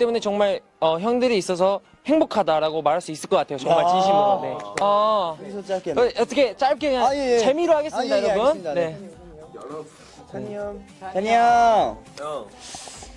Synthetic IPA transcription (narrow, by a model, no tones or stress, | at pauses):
t͈emune̞t͡ɕʌŋmaɭ | ʌçjʌŋdɯɾiːs͈ʌs̬ʰʌ | he̞ŋbokʰadaɾaɡomaɾɦaɭs͈uis͈ɯɭk͈ʌk͈atʰejot͡ɕʌŋmaɭt͡ɕiɕʰimonea | ʌt͈ʰʌkʰe̞t͡ɕ͈aɭk͈eɲat͡ɕe̞miɾoɦaɡe̞s͈mɲidajoɾʌbunne̞ | aɲa